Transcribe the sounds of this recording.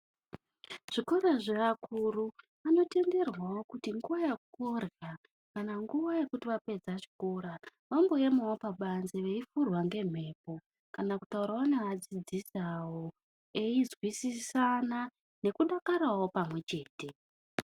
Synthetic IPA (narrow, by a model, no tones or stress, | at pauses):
ʐ̥iko̞ɾaʐeakʰuru | ano̞te̞nde̞rwawo̞kutiŋɡuʋajekukorja | kanaŋɡuʋaje̞kutiʋape̞d͡zaʐi̥ko̞ɾaʋambo̞jemawopaɓanzeʋeifurwaŋɡe̞m̤e̞ːpo̞ | kanakutauɾaanead͡zid͡zisawo | eizwisisana | ne̞kuɗakarawo̞pamwe̞t͡ʃe̞ːte̞